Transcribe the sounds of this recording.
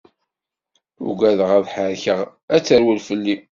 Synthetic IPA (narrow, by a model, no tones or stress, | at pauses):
ʊ̰ɡæðəʁæðħəɾçəʁ | æt͡sːəɾwəlfəlːi